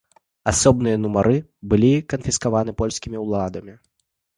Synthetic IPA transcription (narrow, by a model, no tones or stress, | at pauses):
asɔbnɨjɐnumaɾʔɨbɨlʲikɐnfʲiskavanɨpɔlʲsʲkʲimʲiwlˠad̪ɐmʲi